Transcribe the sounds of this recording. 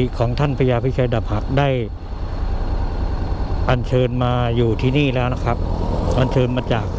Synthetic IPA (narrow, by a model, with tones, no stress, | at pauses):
i˨˩kʰɔː˩˦ŋt̪ʰa˥˩npʰa˧jaː˧pʰi˦˥˩t͡ɕʰaː˧jda˨˩p̚ha˨˩k̚daː˥˩j | ʔa˧nt͡ɕʰɤː˧nmaː˧juː˨˩t̪ʰiː˥˩niː˥˩lɛː˦˥wna˦˥˩kʰɾa˦˥p̚ʔa˧nt͡ɕʰɤː˧nmaː˧t͡ɕaː˨˩k̚